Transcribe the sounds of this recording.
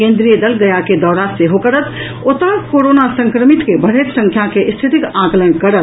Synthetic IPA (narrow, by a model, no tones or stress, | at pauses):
kẽnd̪ɾijəd̪əlɡəjaked̪ɔːɾaseɦokəɾət̪ | ot̪əkoɾonasə̃ŋkɾəmit̪kebəɽ̤et̪sə̃ŋkʰjakeʔst̪ʰit̪ikãkələnkəɾət̪